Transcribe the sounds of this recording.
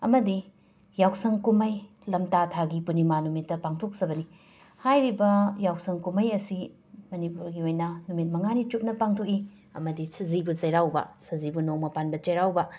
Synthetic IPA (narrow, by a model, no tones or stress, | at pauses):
ɐmɐdi | jawsɐŋkumɐj | lɐmtatʰaɡipunimanumitːɐpaŋtʰok̚sɐbɐni | hajɾibɐjawsɐŋkumɐjɐsi | mɐnipuɾɡiojnɐnumit̚mɐŋanit͡ʃup̚nɐpaŋtʰoki | ɐ̰mɐdisɐzibusɐjɾawbɐ̰sɐzibunoŋmɐpanbɐt͡ʃɐjɾawbɐ